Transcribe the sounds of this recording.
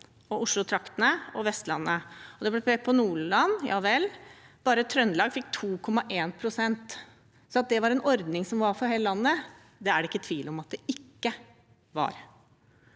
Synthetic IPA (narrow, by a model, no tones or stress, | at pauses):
ɔʊʂɭʊt̪ʰɾɑkt̪ənəɔʋɛst̪lɑ̰nːəɔd̪ɛblɛpʰɛpʰɔnuːɭɭɑnjɑ̰ːʋɛlːb̥ɑːɾət̪ʰɾœnlɑːɡfɪkːt̪ʰuːkʰɔmːɑʔeːnpʰɾʊsɛnt̪ | sɔɑt̪̚d̪ɛʋɑɾɛnʔɔɾd̪nɪŋsɔmʋɑɾfɔɾheːləlɑnːə | d̪ɛæɖɛɪkːət̪ʰʋiːlɔmɑt̪̚d̪ɛɪkːə | ʋɑ̰ɾ